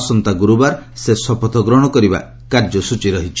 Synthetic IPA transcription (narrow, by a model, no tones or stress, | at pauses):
sɔnt̪aɡuɾubaɾsesɔpɔt̪ʰɔɡɾɔɽ̃ɔkɔɾiba̰ | kaɾd͡ʒɔsut͡ʃiɾɔɦit͡ʃʰi